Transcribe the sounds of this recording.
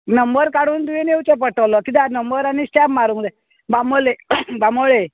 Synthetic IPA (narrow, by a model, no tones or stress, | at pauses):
nəmbəɾkaɽuːnd̪uʋenewt͡sep̬əʈəwlɔkit̪anəmbəɾañisʈɛpmaɾuŋd̪ɛ | bamolebamoɭe